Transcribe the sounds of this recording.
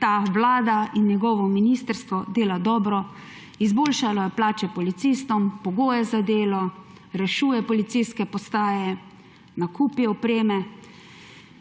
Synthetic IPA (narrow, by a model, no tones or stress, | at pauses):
t̪aːʋlaːd̪ainjɛɡɔːʋɔminist̪əɾst̪ʋɔd̪eːlad̪ɔːbɾɔ | izboːlʃalajɛplaːt͡ʃɛpɔlit̪sist̪ɔmpɔɡoːjɛzad̪eːlɔ | ɾɛʃuːjɛpɔlit̪sijskɛpɔst̪aːjɛ | nakʰuːpiɔpɾeːmɛ